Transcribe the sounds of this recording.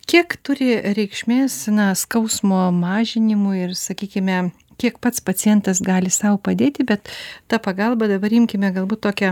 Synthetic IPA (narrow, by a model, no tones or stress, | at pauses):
kʲiɛkt̪ʊɾʲɪɾʲɛɪkʃʲmʲeːsnɐskɐʊsmoːmɑːʒʲɪnʲɪmʊɪrsɐkʲiːkʲɪmʲɛ | kʲiɛkpɐt̪spɐt͡s̪ʲɪjɛnt̪ɐsɡɑːlʲɪsɐʊpɐd̪ʲeːt̪ʲɪbʲɛt̪t̪ɑpɐɡɐlˠbɐd̪ɐbɐɾɪmʲkʲɪmʲɛɡɐlˠbuːt̪toːkʲɛ